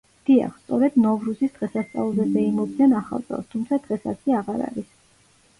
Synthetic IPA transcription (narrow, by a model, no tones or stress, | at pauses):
d̪̥ia̰χst̪sʼɔɾɛd̪nɔvɾusisd̪̥ʁɛsast̪sʼa̰lˠzɛzɛimɔbd̪nɛnaχa̰lˠt̪sʼɛ̰lˠst̪ʰumt̪sʰad̪̥ʁɛsa̰siaʁaɾa̰ɾis